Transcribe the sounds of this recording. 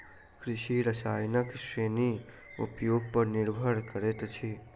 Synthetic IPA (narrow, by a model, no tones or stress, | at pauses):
kɾɪʃiɾəsajnəkʃɾeni | ṵpjoɡ̚pəɾnɪɾbʱəɽkəɾet̪t͡ʃʰe